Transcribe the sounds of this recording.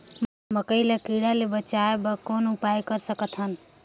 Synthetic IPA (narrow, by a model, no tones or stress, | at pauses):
m | məkəɪlakiɽalebət͡ʃaebakonupajkəɾsəkət̪ʰɦən